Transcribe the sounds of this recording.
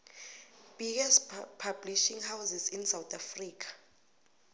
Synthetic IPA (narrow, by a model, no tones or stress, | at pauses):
b̥iɡaspʰabliʃiŋhawzizinsawt̪ʰʼafriːkʰḁ